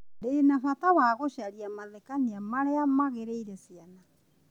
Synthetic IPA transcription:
denafatawaɣoɕaɾiamaðɛkaniamaɾeamaɣeɾeiɾɛsiana

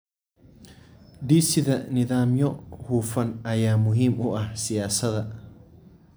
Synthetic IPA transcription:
d̪isɪd̪ɐnɪðaːmjɔhuːfɐnɐjaːmʊɦimʊʔɐhsijaːsɐd̪ɐ

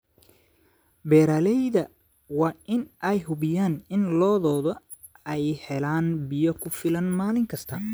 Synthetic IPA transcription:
bɛːɾaːlɛjðɐ | wɑːʔɪnʔɛjɦʊβɪjaːnɪnlɔːðɔːðɔ | ɛjhɛlaːnbɪjɔkʰʊfɪlɐnmaːlɪŋkʰɐst̪ʰɐ

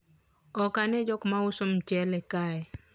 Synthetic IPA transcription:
ɔkanɛd͡ʒɔkmaʊsomt͡ʃɛlɛkaɛ

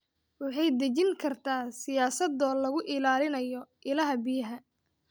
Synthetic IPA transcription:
wɑħɑjd̪ɐt͡ʃɪŋkʰɐrt̪ʰaːsɪjaːsɐd̪ɔːlɐɣʊʔɪlaːlɪnɐjɔʔɪlɐɦɐbɪjɐɦɐ

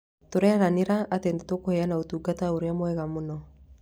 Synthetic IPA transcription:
toɾɛɾaneɾaatendetokohɛanaotuːɡataoɾeamwɛɣamonɔ

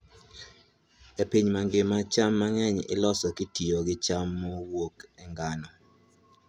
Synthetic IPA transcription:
ɛpiɲmaŋɡɪmat͡ʃamːaŋɛɲɪ̰lɔsɔkɪtioɡɪt͡ʃamːowokɛŋɡanɔ

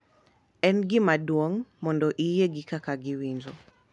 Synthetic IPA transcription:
ɛnɡimadwɔŋmɔndɔʔijɛɡikakaɡiwinzɔ

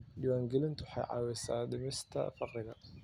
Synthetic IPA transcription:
d̪ɪwaːŋɡɪlɪnt̪wħɑ̰jʕɑ̰ːwɛsa̰ːd̪ɪmɛst̪ʰɐ̰fɑqɾɪɣɐ

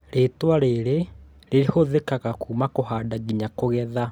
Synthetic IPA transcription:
ɾetwaɾeɾe | ɾeehoðekaɣakuːmakohaːdaɣiɲakoɣɛða

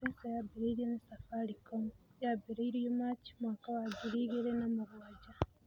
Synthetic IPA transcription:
eːsajabiɾeiɾijonesafaɾikojabiɾeiɾijomaci̥mwaːkawaɟiɾiɣiɾenamuβuwaɟa

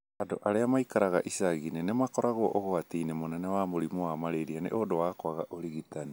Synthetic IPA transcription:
adoʔaɾeamaikaɾaɣaʔisaɣinenemakoɾaɣoʔoɣoatiinemonenewamoɾimoamaɾeɾianḛʔodowakoaɣaʔoɾiɣitani

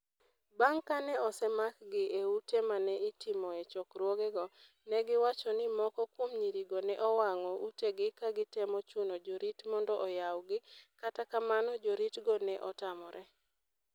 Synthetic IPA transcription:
baŋkanɛɔsɛmakɡɪʔeutemanɛitimɔet͡ʃɔkɾwoɡɛɡɔ | nɛɡɪwat͡ʃɔnɪmɔkɔkwomɲiɾiɡɔnɛʔɔwaŋɔʔuteɡɪkaɡɪtɛmɔt͡ʃunod͡ʒoɾitmɔndɔʔɔjawɡɪkatakamanɔd͡ʒoɾitɡɔnɛʔɔtamɔɾʔɛ

